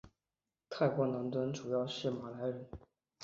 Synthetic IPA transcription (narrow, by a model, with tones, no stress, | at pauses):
t̪ʰa˥˩ɪkwɔ˧˥na˧˥nt̪wə˥nʈ͡ʂu˨˩jɑ˥˧ʊʂɻ̩˥˩ma˨˩la˧˥ɪɻə˧˥n